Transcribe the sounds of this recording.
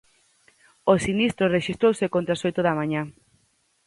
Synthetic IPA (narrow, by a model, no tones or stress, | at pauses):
osinist̪ɾoreʃist̪ɾowsekõnt̪ɾasojt̪oðamãɲa